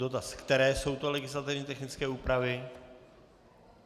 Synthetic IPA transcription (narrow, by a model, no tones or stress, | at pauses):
o̞t̪askt̪ɛɾɛːso̞wt̪o̞lɛɡɪslat̪ɪvɲiːt̪ɛxnɪt͡skɛːuːpɾavɪ